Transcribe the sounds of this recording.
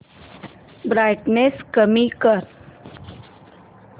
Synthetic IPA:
bɾajʈneskəmikəɾ

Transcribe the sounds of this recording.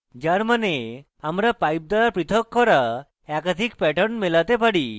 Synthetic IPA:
d͡ʒaɾmane | amɾapajp̚d̪aɭapɾit̪ʰɔkːɔɾa | ɛkad̪ʱikpɛʈɔɾɳmelat̪epaɽi

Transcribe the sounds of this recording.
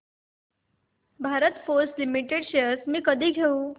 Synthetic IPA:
bʱaɾət̪fosʈlimiʈeɽɕsmiːkəd̪ʱiːɡʱeu

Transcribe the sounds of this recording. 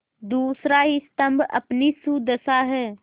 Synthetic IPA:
d̪uːsɾaɦist̪əmbʱɐ̰pnisud̪əsaɦɛː

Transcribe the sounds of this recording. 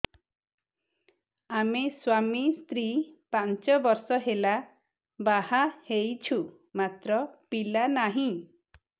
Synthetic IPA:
ameswamist̪ɾipant͡ʃɔbɔɾsɔɦela | bahahejt͡ʃʰu | mat̪ɾɔpilanaɦĩ

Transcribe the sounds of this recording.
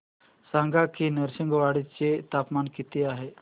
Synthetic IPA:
sãŋɡakinəɾsiŋɡʋaɽit͡set̪apmankit̪iaɦe

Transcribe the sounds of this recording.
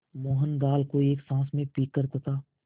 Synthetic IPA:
mɔːɦənɡaːlkoieːksãːsmẽpiːkːəɾt̪ət̪aː

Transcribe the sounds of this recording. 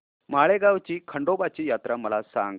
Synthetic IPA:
maɭeɡaʋt͡ɕiːkʰəɳɖobat͡ɕiːjat̪ɾaməlasa̰ŋɡ

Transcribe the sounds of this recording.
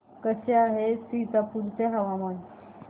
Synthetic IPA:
kəseaɦesit̪apuɾt͡seɦɐʋaman

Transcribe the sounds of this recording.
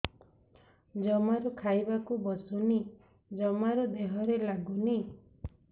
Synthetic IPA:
d͡ʒɔmaɾɔkʰajbakubɔsuni | d͡ʒɔmaɾɔd̪eɦɔɾelaɡuni

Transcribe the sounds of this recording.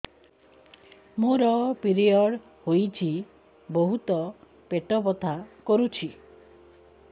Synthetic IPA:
muɾɔpiɾiɔɽ | hojt͡ʃʰi | boɦut̪ɔ | peʈɔbɔt̪ʰakɔɾut͡ʃʰi

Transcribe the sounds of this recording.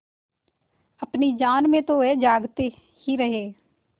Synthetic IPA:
əpniːd͡ʒaːnmẽːt̪õːɛːd͡ʒaːɡt̪e | hiːɾəɦeː

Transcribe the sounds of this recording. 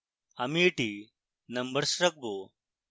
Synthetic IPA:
ɐmiːʈi | nɐmbəɾsɾɐk̚boː

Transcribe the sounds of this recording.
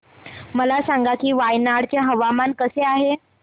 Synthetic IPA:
məlasaŋɡakiːʋajnaɽt͡ɕjaɦəʋamankəseaɦe

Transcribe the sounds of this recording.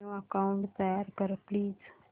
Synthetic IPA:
oɐkaʊ̃ɳʈt̪ɐjaːɾkəɾpliːz

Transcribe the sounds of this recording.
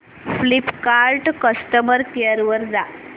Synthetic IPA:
flipkaɾʈkəst̪əməɾkeəɾʋəɾd͡za

